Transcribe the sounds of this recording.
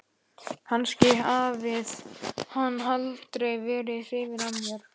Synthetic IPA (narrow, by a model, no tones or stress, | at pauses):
hanːscɪaːvɪð̥hanːɦalt̪ɾeɣvɛːɾɪθɪːvɪɾamjɛɾ̥